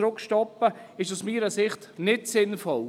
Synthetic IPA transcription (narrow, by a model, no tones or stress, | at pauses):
ɾʊkʃtɔpːəɪʃusmiːɾəsɪχtnɪtsɪnfɔl